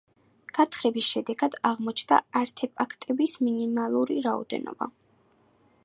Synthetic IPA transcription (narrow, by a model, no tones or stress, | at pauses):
ɡ̥at̪ʰχɾɛbisʃɛd̪ɛɡad̪aʁmɔt͡ʃʰnd̪a̰aɾt̪ʰɛpʼakʰt̪ʼɛbisminimalˠuɾiɾaɔ̰d̪ɛ̰nɔ̰ba̰